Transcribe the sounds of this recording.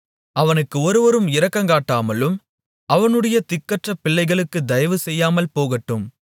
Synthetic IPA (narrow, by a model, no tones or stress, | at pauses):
ɐʋɐnɯkːɯɔɾɯʋɐɾɯmɪɾɐkːɐŋkaːʈːaːmɐlɯm | ʔɐʋɐnɯɽɐjɐt̪ɪkːɐʈrɐpːɪɭːɐɪɣɐɭɯkːɯd̪ɐjɐʋɯsɛjːaːmɐlpoːɣɐʈːɯm